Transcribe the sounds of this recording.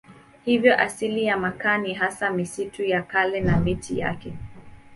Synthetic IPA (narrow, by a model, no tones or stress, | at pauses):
hivjɔʔasilijamakaniɦasamisitujakalɛnamitʰija̰kɛ